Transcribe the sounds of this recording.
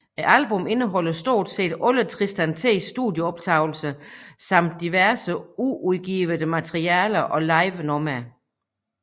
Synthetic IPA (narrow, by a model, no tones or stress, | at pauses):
eælb̥ɔ̽me̝nəɦɒ̽l̰ɐsd̥o̝̰ːd̥se̝̰ːd̥ɔ̽lət͡sʰʁisd̥ænt͡sʰe̝̰ːsːd̥uðˠjəɒ̽b̥t͡sʰɑ̈ʊl̩səsɑ̈m̰d̥̚ːiʋæɐsəuʔuðˠɡ̥iːʋəðəmæt͡sʰʁiɛːlɐʔɒ̽lɑ̈ɪʋnɒmæ